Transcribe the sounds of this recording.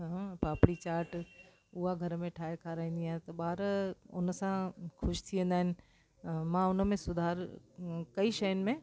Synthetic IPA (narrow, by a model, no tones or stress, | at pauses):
paːpɽit͡ɕaːɾʈ | ʊɦaɡʱɐɾmẽʈʰaːɦekʰaːɾaːĩːn̆d̪iaːɦẽt̪ɐɓaːɾʊ̰nəsãxʊʃt̪ʰiʋə̃n̆d̪aɦɪnɪ̆ | mãːʊnəmẽsʊd̪ʱaːɾ | kɐiʃɐjʊnɪ̆mẽ